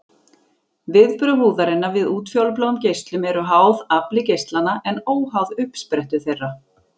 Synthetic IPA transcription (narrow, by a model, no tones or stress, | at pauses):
vɪðpɾʏɦuːðaɾɪnːavɪðuːt̪fjowlp̬loɣʏmcejst̪lʏmɛɾʏɦaːwðaplɪcejst̪lanːaʔɛnoːwɦawðʏhpspɾɛht̪ʏ̥θejrːa